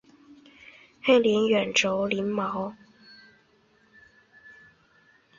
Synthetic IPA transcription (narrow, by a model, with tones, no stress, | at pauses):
he˥liː˨˥nɥœː˨˩nʈ͡ʂo˨˧˥wli˨˥nma˨˥˦w